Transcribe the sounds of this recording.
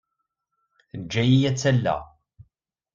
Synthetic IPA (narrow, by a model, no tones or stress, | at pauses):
d͡ʒːæjijæt͡sːælːæ̰